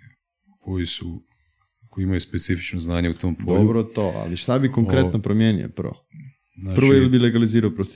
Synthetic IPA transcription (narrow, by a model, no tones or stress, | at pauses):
kʰojisu | koiimajuspet̪sifi̥t͡ʃnoznaːɲeut̪ompdoobɾot̪oʔa̰liʃt̪abikoŋkɾet̪nopɾomjeːnḭo̰pr̩ʋo̰ | nappɾoillibileɡaliziːɾaopɾost̪